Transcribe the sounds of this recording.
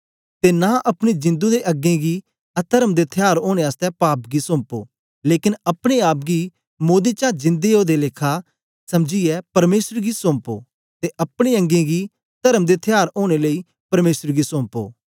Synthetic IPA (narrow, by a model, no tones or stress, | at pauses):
t̪enaʔɐpɽ̃id͡ʒɪ̃nd̪ud̪eʔɐɡẽɡi | ɐt̪ʰəɾəmd̪et̪ʰɪjaːɾoːɽ̃eaːst̪ɛpaːpɡisõːmpo̰ː | leːkɪnɐpɽ̃eaːpɡi | moːd̪it͡ʃãd͡ʒɪ̃nd̪eoːd̪eleːkʰa | sɐmd͡ʒiɛpɐɾmeːsəɾɡisõːmpo̰ː | t̪eʔɐpɽ̃eə̃ŋɡẽɡi | t̪ɐɾəmd̪et̪ʰɪjaːɾoːɽ̃eləi | pɐɾmeːsəɾɡisɔ̃ːmpo̰ː